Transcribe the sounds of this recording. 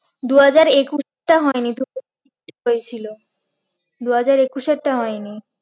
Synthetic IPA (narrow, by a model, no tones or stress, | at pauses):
d̪uɦad͡ʑaɾekuʃ | ʈaɦɔenid̪uɦad͡ʑaiʈːeɦojet͡ɕʰilo | d̪uɦad͡ʑaɾekuʃeɾʈaɦɔeni